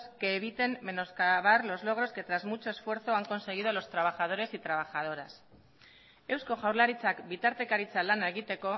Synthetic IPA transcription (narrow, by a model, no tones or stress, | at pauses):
ske̞ːβ̞it̪e̞mːe̞no̞skaβ̞aɾlo̞zlo̞ɣ̞ɾo̞ske̞t̪ɾazmut͡ʃo̞e̞sfwe̞ɾθo̞aŋko̞nse̞ɣ̞ið̞o̞lo̞st̪ɾaβ̞axað̞o̞ɾe̞sit̪ɾaβ̞axað̞o̞ɾas | e̞wsko̞ʝawɾlaɾit͡sakbit̪aɾt̪e̞kaɾit͡salanaeɣ̞it̪e̞ko̞